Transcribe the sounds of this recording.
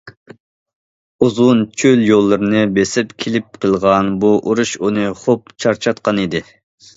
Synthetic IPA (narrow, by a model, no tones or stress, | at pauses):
uzʊnt͡ʃʰøljolˠːɨɾɨnɨbesɪpkʲʰelɪp̚qʰəlˠʁɑnbuʔuɾuʃunɨχop̚t͡ʃʰɑɾt͡ʃʰɑt̪̚qɑnid̪ɪ